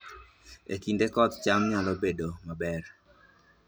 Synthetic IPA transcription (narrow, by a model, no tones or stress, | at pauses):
ekindekɔt̪t͡ʃamɲalɔbedomabɛr